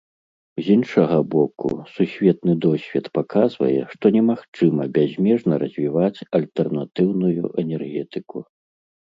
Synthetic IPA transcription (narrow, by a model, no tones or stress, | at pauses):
zʲinʂɐɣɐbɔkṵsusʲvʲɛt̪̚nɨd̪ɔsʲvʲɛt̪pakazvɐ̰jɛ̰ʂt̪ɔnʲɛmaxt͡ʂɨmɐbʲazʲmʲɛʐnɐɾɐzʲvʲivat͡sʲɐlʲt̪ɛrnat̪ɨwnujṵʔɛnʲɛrɣʲɛt̪ɨku